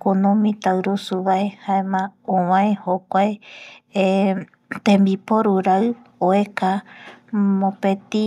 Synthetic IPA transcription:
kunũmĩt̪aɾusuβaehaẽmãõwãẽhokʷaee | t̪ẽmbipoɾuɾaɨ | oeka | mõpẽt̪i

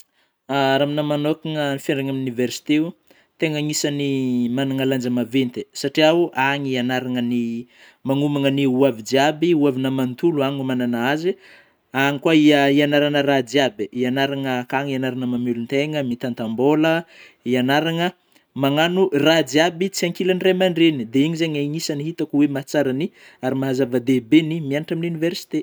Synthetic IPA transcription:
aɾaminəmanokiŋənifaɳɖ͡ʐaŋamnuniversi̥t̪eu | t̪eŋəŋisanimanaŋaland͡ʒəmavent̪esaʈ͡ʂiauʔaŋianaɾaŋəni | maŋumaŋəniuavid͡ʒiabiuavinəmant̪uluaŋumananaazi | aŋikwaiəianaɾanərad͡zabiianaɾaŋəkaŋianaɾanəmamulunt̪eŋəmit̪ant̪ambolə | ianaɾaŋə | maŋanurad͡ziabit͡siaŋkilaɳremaɳɖ͡ʐenid̪eiɲizeɲaiɲisaniɦit̪akuwemat͡saɾani | aɾimaɦazavad̪ebenimianaʈ͡ʂaminiuniveɾsi̥t̪e

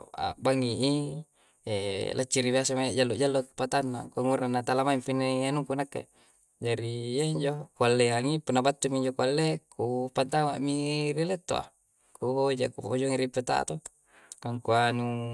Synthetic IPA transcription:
a̰baŋiʔi | elʔat͡ʃːiɾiβiasamajad͡ʒalːod͡ʒalːot̪̚pat̪anːakuaŋuɾanːat̪alamaimfineanukunakːḛ | d͡ʒaɾijaiɲd͡ʒokualːeaŋipunːabat̪ːuŋiɲd͡ʒokualːekupant̪amaʔmirilet̪ːo̰a̰ | kud͡ʒakupod͡ʒoŋiɾipet̪a̰t̪o | kaŋkuanu

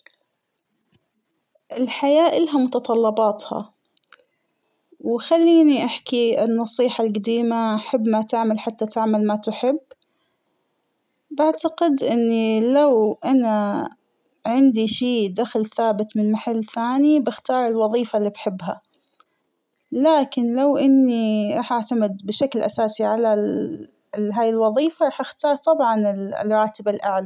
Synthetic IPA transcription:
ʔɪlħajaːʔɪlɦamʊt̪ɑt̪ˤɑlːɑbɑːt̪hɑ̰ | wxalːiːniʔaħkiɪ̰nːɑsˤiːħalɡad̪iːmaʔħabːmat̪aʕmalħat̪ːat̪ɪʕmalmat̪ʊħɪbː | baʕt̪aqɪd̪ʔɪnːilawʔana | ʕɪnd̪iʃiːd̪axlθaːbɪt̪mɪnmaħalːθaːnibɪxt̪ɑːɾˤɪlwɑðˤiːfalːiːbħɪbːɦa̰ | laːkɪnlawʔɪnːiɾˤɑːħʔaʕt̪amɪd̪bɪʃaklʔa̰saːsiʕala | ɦaːjɪlwɑðˤiːfaɾˤɑːħʔaxt̪ɑːɾˤt̪ˤɑbʕɑnɪ̰lɾˤɑːt̪ɪbalʔaʕla

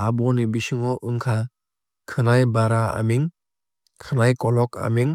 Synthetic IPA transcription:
abɔnibisɯŋɔʔɯŋkʰa | kʰɯnajbaɾaa̰miŋ | kʰɯnajkɔlɔka̰miŋ

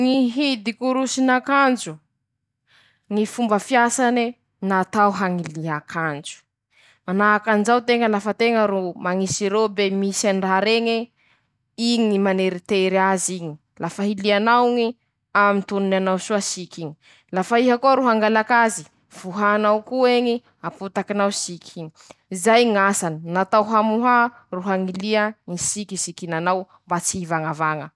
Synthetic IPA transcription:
ŋiɦid̪ikuɾusinakand͡ʒu | ŋifumbəfiasani | nat̪awɦaŋiliɦakʰand͡ʒu̥ | manaakand͡ʒawt̪eŋəlafət̪eŋəɾumaŋisiɾebemisanraaɾeŋe | iɲiimaneɾit̪eɾiaziɲi | lafaɦilianawŋi | amint̪ununanawsuasikʲiɲi | lafaiɦakuaɾuɦaŋɡalakazi | v̥uɦanawkueɲi | aput̪akinawsikʰʲiɲiizajŋasaninat̪awɦamuɦa | ruɦaŋiliəŋisikisikinanaw | mbat͡sivaŋavaŋə

